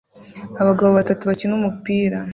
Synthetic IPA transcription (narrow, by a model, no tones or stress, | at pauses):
aβaɡaβoβatatuβacinumupiːɾa